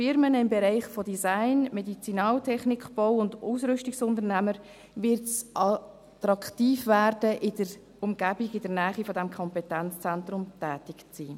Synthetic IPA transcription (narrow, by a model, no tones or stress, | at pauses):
fɪɾmənɪmbeɾɛɪχfodizaɪnmedit͡sinɑːltʰɛχnikχb̥ɔwʊnduːsɾʏʃtɪksʊndəɾnæməɾ | vɪɾtsʔɑ | t̪ɾɑkχtiːfvæːɾd̥əʔɪd̥əɾ | ʊmɡ̥æbɪɡɪdəɾnæːχifodɛmkʰɔmpɛtɛnt͡st͡sɛnt̪rʊmtæːtɪkt͡siː